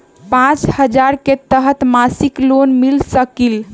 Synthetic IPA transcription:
pãt͡ʃhəd͡ʒaɾket̪əɦət̪masiklonmilsəkil

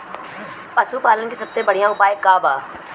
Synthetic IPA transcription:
pɐsupaːlənkisɐbsebɐɽ̤ijãʊpaːjəkːaːbaː

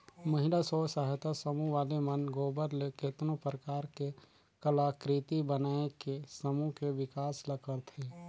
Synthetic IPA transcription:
məɦɪlasɔsaːɦt̪asəmuʋaːlemənɡoːbəɾleket̪nõpɾəkaːɾke | kəlaːkɾit̪ibənaːekesəmukeʋɪkaːsləkəɾt̪ʰeː

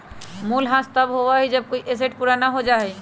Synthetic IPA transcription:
mulɦãst̪abɦowaɦid͡ʑab̚kojʔes̬eʈpuɾanaɦod͡ʒaɦej

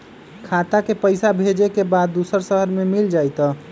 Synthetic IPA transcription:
kʰat̪akepəɪsabʱed͡ʒekebad̪ːusəɾsəɦəɾmemild͡ʒajt̪ə

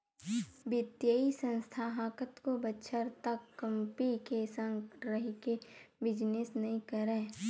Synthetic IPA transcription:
bɪt̪jəisə̃nst̪ʰaɦãːkət̪kobətːʃʰəɾt̪əkːəmpikesə̃ŋɡɾəɦikebɪd͡ʒnɪsnɐɦĩkəɾẽː

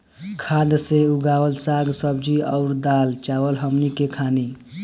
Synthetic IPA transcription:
kʰad̪seuɡawəlsaɡsəb̚d͡ʒiəʊɾd̪alt͡ʃawəlɦəmnikekʰani

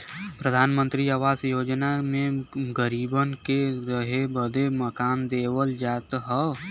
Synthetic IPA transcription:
pɾəd̪ʱaːnmə̃nt̪ɾiaːʋaːsjoːd͡ʒnamẽɡəɾiːbənkeɾəɦebəd̪eməkaːnd̪eːwəld͡ʒaːt̪ɦɛ

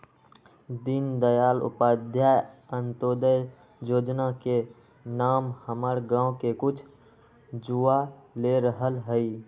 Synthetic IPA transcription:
d̪ind̪əjaːlʊ̰paːd̪ʱjajənt̪oːd̪əj | joːd͡ʒnake | naːmhəməɾɡãːõkekʊt͡ʃʰ | d͡ʒualeɾəɦəlɦəi

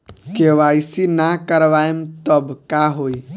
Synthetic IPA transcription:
keːʋaːjsinakəɾʋaːemt̪əbkaɦoːi

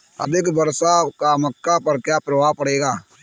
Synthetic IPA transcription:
ɐ̰d̪ɪkbɐɾsakamɐkːapɐɾkjaːpɾɐʋaːpɐɽeːɡaː

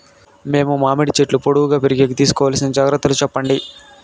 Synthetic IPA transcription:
me̞ːmumaːmiɽit͡ʃeʈlupoɽuʋuɡaːpeɾiɡeːɡit̪iːsu̥kɔːʋaːlɐsinɐd͡ʒaːɡɾɐt̪ːɐlut͡ʃɛpːɐɳɖi

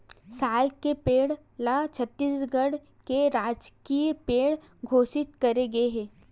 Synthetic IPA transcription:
saːlkepeːɽ | lat͡ʃʰɐt̪ːiːsɡəɽ | keɾaːd͡ʒkipeːɽ | ɡʱoːsɪt̪kɐɾeɡɐeɦɛ̃ː

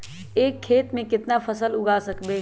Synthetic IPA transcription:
eːkʰːeːt̪mẽkɪt̪napʰəsəlʊɡʱasəkbe

